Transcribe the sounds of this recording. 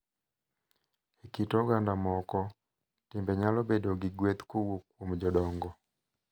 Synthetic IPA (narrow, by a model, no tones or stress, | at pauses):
ekitɔɡandamɔkɔ | timbɛɲalɔbedoɡɪɡwet̪kowokwomd͡ʒɔdɔŋɡɔ